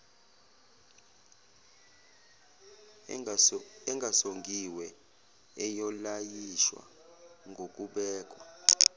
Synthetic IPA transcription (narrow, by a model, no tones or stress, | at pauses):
ɛŋɡʱasoŋɡʱiwɛ | ɛjɔlajiʃwa̰ | ŋɡʱokʼuɓɛːk̬ʼwa